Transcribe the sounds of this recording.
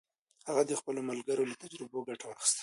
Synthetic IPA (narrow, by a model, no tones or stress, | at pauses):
haɣad̪əxpəlomalɡaɾolat̪ad͡ʒɾɪboɡaʈawaxi̥st̪